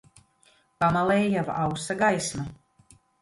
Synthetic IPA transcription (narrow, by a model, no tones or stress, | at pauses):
pamalɛːjavawsaɡajsma